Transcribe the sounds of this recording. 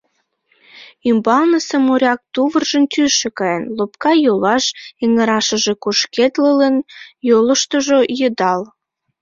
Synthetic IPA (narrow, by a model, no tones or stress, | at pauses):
ymbɑlnəsəmoɾʲɑk̚t̪uβərʒənt̪ʲyʃekɑjenlop̚kɑjolɑʃeŋəɾɑʃəʒekuʃket̪lələnjoləʃt̪oʒojəd̪ɑl